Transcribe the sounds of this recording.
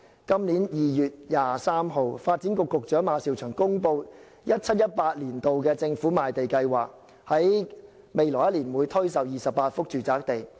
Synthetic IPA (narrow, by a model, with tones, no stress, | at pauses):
kɐ˥mniː˨˥njiː˨jyː˨t̚jaː˨saː˥mɦo˨wfaː˧t̚t͡siː˨˥nkʊ˨˧kːʊ˨k̚t͡ʃœː˨˥ŋmaː˨˧˥siː˨˩wt͡ʃʰœː˨˩ŋkʊ˥ŋpo˧w | jɐ˥t̚t͡sʰɐ˥t̚jɐ˥t̚paː˧t̚liː˨˩nt̪o˨wk̬ɛː˧t͡sɪ˧ŋfuː˨˥maː˨jt̪e˨jkɐ˧jwaː˨˩k̚ | hɐ˨˥j | me˨jlɔː˨˩jɐ˥tliː˨˩nwuː˨˧jt̪ʰɵ˥ɥs̬ɐ˨˩wjiː˨sɐ˨p̚paː˧t̚fʊ˥k̚t͡ʃyː˨˩t͡saː˧˥k̚t̪e˨j